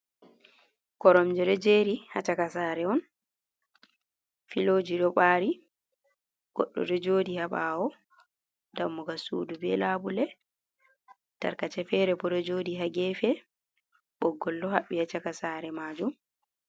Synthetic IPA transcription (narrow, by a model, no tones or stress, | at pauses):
kɔɾɔmd͡ʒɛɗɔd͡ʒeɾihat͡ʃakasaːɾɛɔn | filod͡ʒiɗɔɓaːɾi | ɡ̥ɔ̰ɗːɔ̰dɔd͡ʒoːdihaɓaɔ | damːuɡasṵdubɛlabulɛ | ta̰ɾkat͡ʃɛfɛɾɛbɔɾɔd͡ʒoːdiɦaɡɛfɛ | ɓɔɡːɔldɔhaɓːihat͡ʃakasaːɾɛmaːd͡ʒum